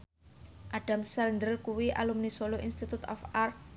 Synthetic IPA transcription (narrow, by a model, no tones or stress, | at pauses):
ʔaɖ̥a̤msarnd̪ɾəlkuwiʔa̰lumnisoloʔinst̪it̪ut̪ɔ̰far